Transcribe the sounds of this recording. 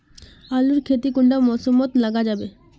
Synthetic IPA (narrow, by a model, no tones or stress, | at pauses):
aluɾkʰet̪ikuɳɖamɔsomːɔt̪laɡad͡ʑabe